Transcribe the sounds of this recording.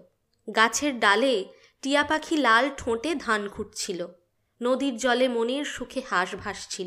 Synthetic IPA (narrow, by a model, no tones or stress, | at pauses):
ɡat͡ɕʰeɾɖale | ʈiapakʰilalʈʰõʈed̪ʱankʰuʈ̚t͡ɕʰilo | nod̪iɾd͡ʑɔlemoneɾʃukʰehaʃbʱaʃt͡ɕʰilo